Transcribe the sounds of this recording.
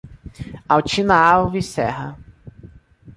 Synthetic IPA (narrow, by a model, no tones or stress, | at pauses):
awt͡ʃinaawvisɛ̰ɦɐ